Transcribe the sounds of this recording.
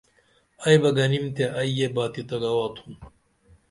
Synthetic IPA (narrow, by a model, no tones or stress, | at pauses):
ɐjbɐɡɐnimt̪eʔɐjjebaːt̪it̪ɐɡɐwaːt̪ʰum